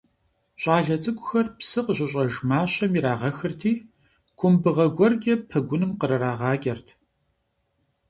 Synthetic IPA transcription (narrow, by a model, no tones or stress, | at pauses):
ɕʷʼɑːɮɐt͡sʼɨɡʷʼʊxɐrpsɨqəɕʷɪɕʼɐʒmaːɕɐmiɾaːʁɐxɨrtʰiː | kʷʰʊmbɨʁɐɡʷɔrɡʲɐpʰɐɡʷʊnɨmqəɾɐɾaːʁɑːɡʲʼɐrtʰ